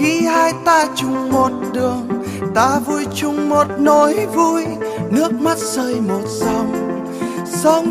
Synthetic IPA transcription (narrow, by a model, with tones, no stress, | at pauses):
ki˨˧˦haː˧jt̪aː˧t͡ɕʊ˨˩ŋ͡mmo˨˩t̚ɗɨ˨˩əŋ | t̪aː˧vu˧˩jt͡ɕʊ˨˧˩ŋ͡mmo˨˩t̚no˨˦jvu˧˥jnɨ˦˥ək̚ma˦˥t̚səː˧jmo˨˩t̚sa˧wŋ͡m | sa˧wŋ͡m